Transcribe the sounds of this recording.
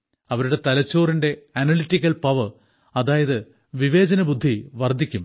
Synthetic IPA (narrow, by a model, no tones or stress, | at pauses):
ɐʋɐɾuɽe̞t̪ɐlɐt͡ɕːo̞ːrinde̞ɐnɐlitːikʲːɐlpɐʋɨ | ɐðaːjɐðɨ | ʋiʋe̞ːd͡ʑɐnɐbud̪ʱːiʋɐrd̪ʱːikʲːum